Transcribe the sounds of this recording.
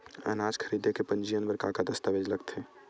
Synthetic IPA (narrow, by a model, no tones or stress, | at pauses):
ə̰nad͡ʒkʰəɾid̪ekepənd͡ʒijənbəɾkakad̪əst̪abed͡ʒləɡt̪ʰe